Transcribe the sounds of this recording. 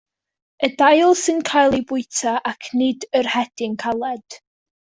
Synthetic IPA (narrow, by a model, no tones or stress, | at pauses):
ədajlˠsɨnkʰajlˠibʊɨtʰaʔakʰnɪdərhɛd̥ɪŋkʰalˠɛd̥